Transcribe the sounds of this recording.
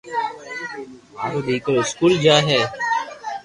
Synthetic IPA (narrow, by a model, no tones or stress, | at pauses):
ɦoːɗ̪iːkəɾɪskuːld͡ʒaːɦɛː